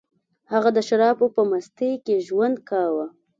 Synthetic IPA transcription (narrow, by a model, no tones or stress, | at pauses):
haɣad̪əʃaɾɑpopəmast̪ekeʒwand̪̚kɑwa